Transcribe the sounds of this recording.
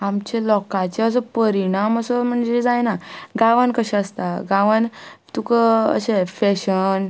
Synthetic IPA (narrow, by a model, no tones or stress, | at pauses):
amt͡ɕelɔkat͡ɕeəs̬ɔpəɾiɽ̃aməsɔm̤əɳd͡zed͡zajnaɡaʋankəɕɛ̃əst̪aɡaʋant̪ukəə̰ɕefɛɕən